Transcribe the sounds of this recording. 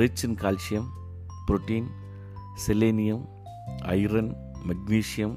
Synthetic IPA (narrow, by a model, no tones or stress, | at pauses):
ɾɪt͡ʃːɐnkaːlʃɪjɐm | pɾʊʈːiːn | sɛleːnɪjɐm | ɐ̰ɪɾɐn | mɐɡ̚niːʃɪjɐm